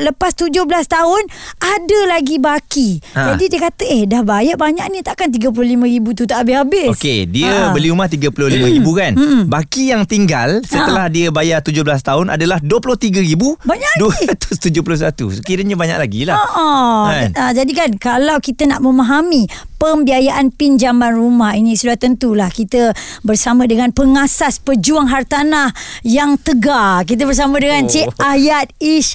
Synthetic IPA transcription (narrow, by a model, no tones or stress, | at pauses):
ləpast̪ud͡ʒʊhblast̪aɦʊnadəlaɡibakid͡ʒadidiəkat̪əehdahbajaʔbaɲaʔnit̪aʔkant̪̬iɡəp̬ulʊhlimə̃ɾibut̪̬ut̪aʔːbɪshabɪskḛdiəbəliumaht̪iɡəpulʊhlimə̃ɾibukanm̩bakijaŋt̪iŋɡa̰lsət̪əlahdiəbajat̪ud͡ʒʊhbəlas̬t̪aʊna̰dalahduəpulʊht̪iɡəɾibubaɲaduəɾat̪ʊ̥st̪ud͡ʒʊhpulʊhsat̪ṵsəkiɾəɲabaɲa̰klaɡilahoʔɔand͡ʒadikankalawkit̪ənaʔməmaɦamipəmbiajaʔanpind͡ʒamanrumahinĩsudaht̪ənt̪ulahkit̪əbərsamə̃dəŋanpəŋasaspəd͡ʒuaŋɦart̪anahjaŋt̪əɡak̬it̪̬əbərs̬amə̃dəŋant͡ʃeʔajat̪̚iʃ